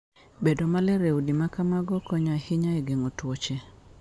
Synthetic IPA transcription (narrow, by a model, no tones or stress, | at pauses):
bedomalɛɾewdimakamaɡɔkɔɲahɪɲaeɡeŋotwot͡ʃe